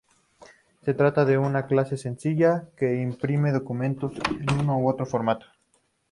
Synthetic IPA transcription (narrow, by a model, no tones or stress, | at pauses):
se̞t̪ɾat̪aðe̞unaklase̞se̞nsiʝake̞impɾime̞ð̞o̞kumẽ̞nt̪o̞senunoːot̪ɾo̞fo̞ɾmat̪o̥